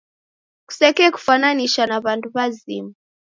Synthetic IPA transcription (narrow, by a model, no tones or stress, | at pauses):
ku̥sɛkɛːku̥fananiʃanaβanduβazḭma